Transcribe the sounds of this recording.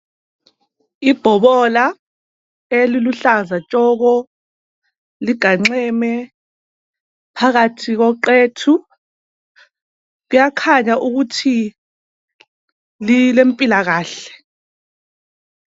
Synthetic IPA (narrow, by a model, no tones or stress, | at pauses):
ib̥ʱɔβɔla | eliluɬazat͡ʃʼɔːɣɔ | liɡ̥ʱaŋ͡ǀɛːmɛ | pʰaɣatʰiɣɔǃeːtʰu | ɣujakʰaɲaʔuɣutʰi | lilem̩pʼilaɣaːɬɛ̥